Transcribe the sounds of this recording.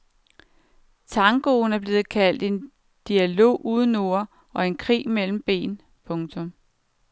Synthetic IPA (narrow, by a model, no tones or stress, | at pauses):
t͡sʰɑ̈ŋɡ̥o̝ːn̩æɐb̥le̝ːð̞̩ˠkʰæl̰d̥e̝n | d̥iælo̝̰ːʔuðˠən̩o̝ɐ | ɒ̽e̝nkʰʁḭːmel̰m̩b̥e̝̰ːn | pʰɔ̽ŋt͡sʰɔ̽m